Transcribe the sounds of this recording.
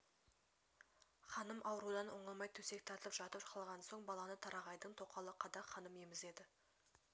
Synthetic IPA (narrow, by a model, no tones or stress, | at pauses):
χɑnəmʔɑwəɾud̪ɑnoɴɑmɑjt̪ʰɵse̞k̚t̪ʰɑt̪əəpʒ̥ɑt̪əpʃqɑlˠʁɑnso̞ɴbɑlˠɑnət̪ʰɑɾɑʁɑjd̪əɴt̪ʰo̞qɑlˠəqʰɑd̪ɑχɑnəmje̞mɪze̞d̪ɪ